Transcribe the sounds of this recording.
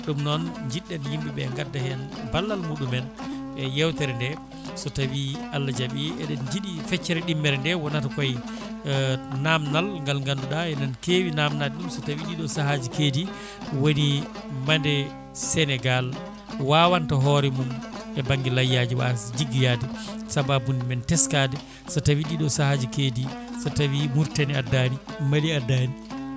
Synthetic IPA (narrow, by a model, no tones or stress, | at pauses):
ɗumnɔnd͡ʒiɗːɛnjimbiɓɛŋɡadːahɛnbalːalmuɗumɛn | ɛjɛwtɛɾɛndɛ | sɔtawialːad͡ʒaɓiɛɗɛnd͡ʒiɗifɛt͡ʃːɛɾɛɗimːɛɾɛndɛwɔnatakɔj | namnalŋɡalŋɡanduɗaɛnankeːwinamnalɗumsɔtawiɗiɗɔsahad͡ʒikeːdi | woni | mandɛ | sɛnɛɡal | waːwantaɦɔɾɛmumɛbaŋɡɛlajːad͡ʒiwa̰sd͡ʒiɡijadɛsababundimɛntɛskaːdɛ | satawiɗiɗɔsahad͡ʒikeːdisatawimuɾtaniadanimaliadani